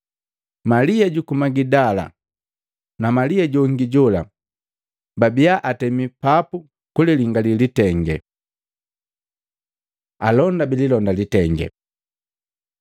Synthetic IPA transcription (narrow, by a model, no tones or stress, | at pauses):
maliaɟukumaɡidala̰ | namaliaɟɔŋɡiɟɔla | babijaʔatɛmipapu | kuliliŋɡalilitɛŋɡɛ̰ | alɔndabililɔndalitɛŋɡɛ̰